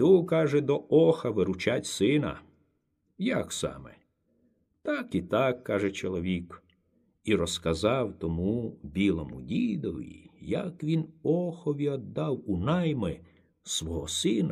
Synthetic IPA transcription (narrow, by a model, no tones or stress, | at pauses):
t̪ukɑʒɛd̪ɔɔxɐʋɪɾʊt͡ʃatʲsɪnɐ̰ | jɐksɑ̰mɛ̰ | t̪ɑkit̪ɑkːɑʒɛt͡ʃɔlˠɔʋʲik | iɾɔskɐzɑwt̪ɔmubʲilˠɔmʊdʲid̪ɔʋʲḭjɐ̰kʋʲinɔxɔʋʲiɔd̪ːɑwunɑjmɪ | sʋɔɦɔsɪnɐ